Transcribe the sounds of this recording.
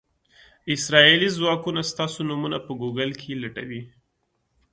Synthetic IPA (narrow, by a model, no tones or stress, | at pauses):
ɪsɾɑelizwɑkunast̪ɑsonumunapəɡoɡəlkʰelaʈa̰wi